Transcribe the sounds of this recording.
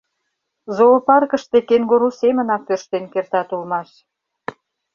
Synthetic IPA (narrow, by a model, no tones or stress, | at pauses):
zolopɑrkəʃt̪ekeŋɡoɾusemə̆nɑk̚pørʃt̪enkert̪ɑt̪ulmɑʃ